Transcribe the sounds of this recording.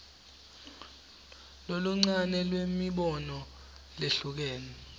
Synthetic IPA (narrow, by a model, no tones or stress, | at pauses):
loluŋ͡ǀanɛlwemiɓɔnɔ | leɬuk̬ɛːnɛ